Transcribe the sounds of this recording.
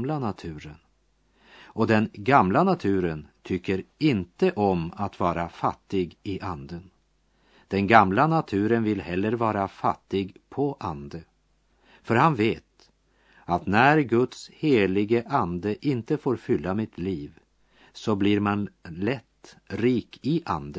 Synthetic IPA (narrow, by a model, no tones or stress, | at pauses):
lanat̪ʰʉ̟ːɾə̰n | ɔd̪ɛnɡamlanat̪ʰʉ̟ːɾənt̪ʰʏkːəɾɪnt̪əʔɔmat̪vɑːɾafat̪ːɪɡɪʔand̪ən | d̪̥ɛnɡamlanat̪ʰʉ̟ːɾənvɪlhɛlːəɾvɑːɾafa̰t̪ːɪɡpʰɔʔand̪ə | fœɾhanveːt̪ | at̪næɾɡɵt̪sheːlɪɡəʔand̪əʔɪnt̪əfoːɾfʏlːamɪt̪ʰliːv | sɔbliɾmanlɛt̪ːɾiːkɪʔa̰nd̪ə